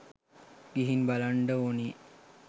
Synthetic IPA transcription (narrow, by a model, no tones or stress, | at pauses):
ɡ̥iɦinbalaɳɖəoːniː